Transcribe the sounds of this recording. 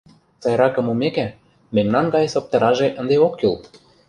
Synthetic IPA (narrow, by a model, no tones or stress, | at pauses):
t͡sɑjɾɑkɤ̆mumekæ | mɘ̆nʲnɑnɡɑjesop̚t̪ɤ̆ɾɑʒeʔə̆nd̪eokːyl